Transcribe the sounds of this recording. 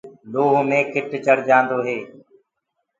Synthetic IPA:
loːɦomẽːkɪʈt͡ʃəɽ̤d͡ʒãːnd̪oːɦeː

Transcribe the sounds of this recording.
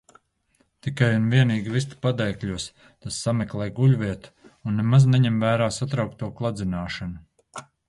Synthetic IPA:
t̪ikajunviɛniːɡivist̪u̥pad̪ɛjkʎʲuɔs | t̪asːameklˠɛjɡuʎviɛt̪u̥unːemazneɲɛmvæːɾaːsat̪ɾawk̚t̪uɔklˠad̪zinaːʃanu

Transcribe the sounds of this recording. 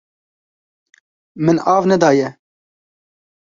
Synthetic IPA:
mɨnɑːvnɛd̪ɑːjɛ

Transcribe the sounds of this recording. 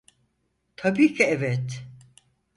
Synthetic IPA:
t̪ʰabiːcʰiɛvɛt̪

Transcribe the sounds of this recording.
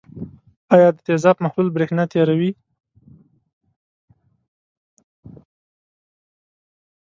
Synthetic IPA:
ɑjɑd̪ət̪ezɑpmaxlulbɾexnat̪eɾawi

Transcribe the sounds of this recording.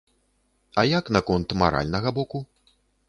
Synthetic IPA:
ɐjaknɐkɔnt̪ma̰ɾa̰lʲnɐɣɐbɔku

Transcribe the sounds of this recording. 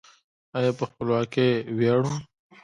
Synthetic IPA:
ajɑpəxpəlwɑkewaɽuum

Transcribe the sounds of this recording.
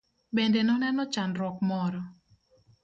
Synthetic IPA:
bɛndɛnɔnɛnɔt͡ʃanɾɔkmɔɾɔ

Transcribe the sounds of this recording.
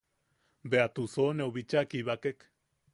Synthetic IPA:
beat̪usonewβit͡ʃakiβakek

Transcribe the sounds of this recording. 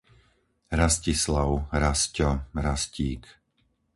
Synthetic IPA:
ɾascislaʊɾascɔɾasciːk

